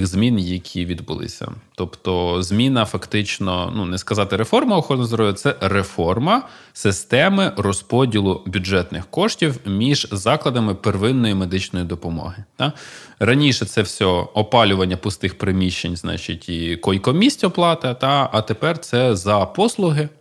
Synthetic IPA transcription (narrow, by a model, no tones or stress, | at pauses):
ɣzmʲinjɐkʲʰiʋʲid̪bʊ̰lˠɪ̰sʲɐ̰t̪ɔpt̪ɔzmʲinɐfɐkt̪ɪt͡ʃnɔ̰nunɛskɐzɑt̪ɪɾefɔrmɐɔxɔɾɔnɔzɾɔjʲʊt̪sɛrefɔrmɐ | sɪst̪ɛmɪrɔspɔdʲilˠʊbʲʊdʒɛt̪nɪxkɔʂtʲiwmʲiʒzɑklˠɐd̪ɐmɪperʋɪnːɔjimed̪ɪt͡ʃnɔjid̪ɔpɔmɔ̰ɦɪt̪ɑ | rɐnʲiʃɛt̪sɛwsʲɔɔpɑlʲʊʋɐnʲːɐpʊst̪ɪxpɾɪmʲiʃt͡ʃːenʲznɑ̰t͡ʃitʲikɔjkɔmʲisʲtʲɔplˠɑt̪ɐt̪ɑɐt̪epɛrt̪sɛzɐpɔslˠʊɦɪ